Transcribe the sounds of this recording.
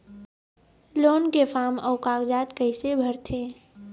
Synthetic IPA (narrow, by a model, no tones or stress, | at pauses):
loːnkefaːmɔːkaːkd͡ʒaːt̪kəɪsebʱəɾt̪ʰẽː